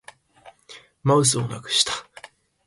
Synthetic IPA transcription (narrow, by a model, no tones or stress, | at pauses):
ma̟s̬ɨona̰kɯ̟̥ɕi̥t̪ḁ